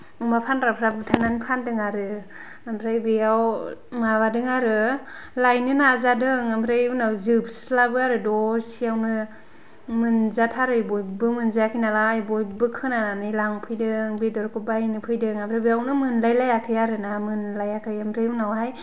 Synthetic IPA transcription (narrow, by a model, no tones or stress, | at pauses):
ɯmapʰanɾapʰɾabɯtʰananipʰandɯŋaɾɯ | amʰɾajbɯjawmaβadɯŋaɾɯ | lajnɯnazadɯŋamɾajunawzɯbslabɯaɾɯdɔsiawnɯ | mɯnzatʰaɾɯjbɔjbɯmɯnzakʰijnalaːjbɔjbɯkʰɯnananɯlaŋpʰɯjdɯŋbedɔɾkʰɯbajnɯpʰɯjdɯŋamʰɾajbɯjawnɯmɯnlajlajakʰɯjaɾɯnamɯnlajakʰɯjamɾɯjunawɦaj